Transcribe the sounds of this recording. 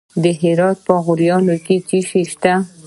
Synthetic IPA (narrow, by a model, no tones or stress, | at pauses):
d̪əɦɪɾɑt̪̚pəɣʊɾjɑnoket͡ʃiʃeʃt̪a